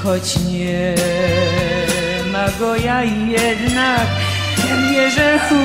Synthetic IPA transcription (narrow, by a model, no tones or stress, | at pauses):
xɔt͡ɕɲɛ | maɡɔjaijɛd̪nak | t̪ɛmjɛʐɛxu